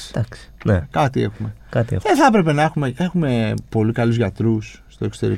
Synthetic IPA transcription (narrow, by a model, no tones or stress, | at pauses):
d̪ɐksi̥nekɐt̪ie̞xumekɐt̪ḭðeθɐpɾe̞pe̞nɐexume̞e̞xume̞po̞likɐluzʝɐt̪ɾusːt̪o̞ekso̞t̪e̞ɾi